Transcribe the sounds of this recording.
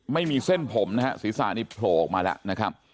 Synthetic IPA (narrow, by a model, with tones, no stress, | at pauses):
ma˥˩jmiː˧se˥˩npʰo˩˦mna˦˥ɦa˦˥siː˨˩˦sa̰ː˨˩˦niː˥˩pʰloː˨˩˨k̚maː˧lɛ̰˦˥ʔna˦˥kʰɾa˦˥p̚